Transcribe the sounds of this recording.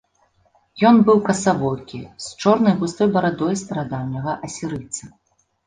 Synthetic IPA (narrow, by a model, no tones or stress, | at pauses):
jɔnbɨwkɐsavɔlkʲḭst͡ʂɔrnɐjɣust̪ɔjbɐɾad̪ɔjst̪ɐɾad̪awnʲɐɣɐʔɐsʲiɾɨt̪sɨ